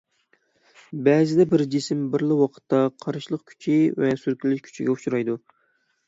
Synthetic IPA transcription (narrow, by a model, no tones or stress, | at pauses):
bɛzɪd̪ɛbɪɾd͡ʒisɪmbɪɾlˠɪwɑqʰə̥t̪ʰːɑqʰɑɾʃlˠəqkʲʰy̥t͡ʃʰivɛsyɾkʲʰilɪʃkʲʰy̥t͡ʃʰḭɡʲɛuʃuɾɑjd̪u